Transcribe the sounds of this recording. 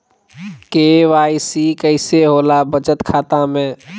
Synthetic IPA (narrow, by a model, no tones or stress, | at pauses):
keːʋaːisiːkəɪseɦoːlabət͡ʃət̪kʰaːt̪ãmẽː